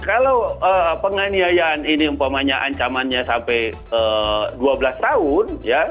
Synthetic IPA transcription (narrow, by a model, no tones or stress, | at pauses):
kalawəpəŋaniajaniniəmpamaɲaʔaɲt͡ʃamanɲasampɛj | əduabəlast̪aʊnja